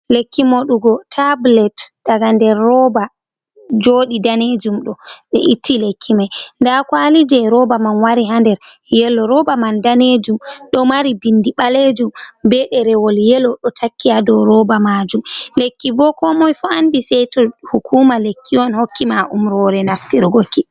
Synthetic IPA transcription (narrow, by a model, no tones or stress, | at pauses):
lekːimoɗuɡɔtʰablɛtd̥aɡandɛɾːɔba | d͡ʒoːɗidaned͡ʒumɗɔɓɛ̰ʔitːilekʰːimajndakwalid͡ʒɛɾɔbamanwaɾiɦandɛɾjɛlːɔɾɔbamandaned͡ʒumɗɔmaɾibindiɓaled͡ʒumbɛɗɛɾɛwɔljɛlɔɗɔtʰakʰːiadɔɾɔbamad͡ʒumlekːibɔkɔmɔjfɔandisɛjtɔhukʰumalekʰːiɔnhokːimaʔumɾɔɾɛnaftiɾɡoki